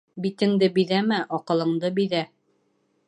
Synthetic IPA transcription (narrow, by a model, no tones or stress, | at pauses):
bit̪ɘ̆ŋd̪ɘbiðæmæʔɒqɤ̆lˠɤ̆ɴd̪ɤbiðæ